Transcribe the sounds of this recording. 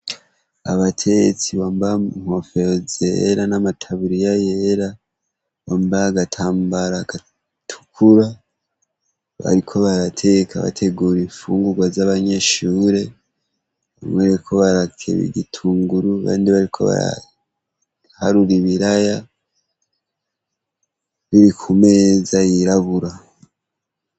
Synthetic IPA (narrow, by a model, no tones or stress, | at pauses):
aβatʰe̞et͡siβaːmbauŋ̥o̞feɾozḛɾanamatʰaβuɾijajeɾa | βoːmbaaɡatʰaːmbaɾaɡa | tʰu̥kʰuɾa | βa̰ɾikʰo̞βaɾatʰe̞kaβa̰tʰe̞ɡuːɾeɱfuːŋɡuɡwazaβaɲe̞ʃuːɾe̞ | omweɾekʰo̞βaɾakʰḛβḭɟitʰuːŋɡuɾuβa̰ːndiβaɾikʰo̞̰βa̰ɾa̰ | haɾuɾiβiɾaja | βiɾikʰume̞ːzajiɾaβuɾa